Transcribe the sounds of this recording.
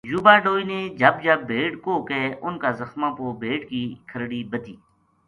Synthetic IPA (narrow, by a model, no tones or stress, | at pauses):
juːbaːɖoːiːneːd͡ʒəbd͡ʒəb̚ːeːɖkoːkɛːʔʊnkaːzəxmãːpoːbʱeːʈkiːkʰəɾɽiːbət̪iː